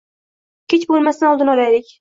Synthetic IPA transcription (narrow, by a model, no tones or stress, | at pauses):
kʲet͡ʃbolˠmast̪anɒlˠd̪ɨnɒlajlɪkʲ